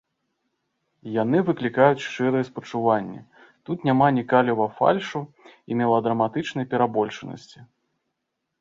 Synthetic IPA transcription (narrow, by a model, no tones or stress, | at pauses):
jan̪ɨvɨklʲikajut͡sʲʂt͡ʂɨɾɨjɛspɐt͡ʂuvanʲːɛ̰ | t̪ut̪nʲamanʲikalʲivɐfa̰lʲʂu | imʲɛlˠɐd̪ɾɐmat̪ɨt͡ʂnɐjpʲɛɾabɔlʲt͡ʂɨnɐ̰sʲt͡sʲi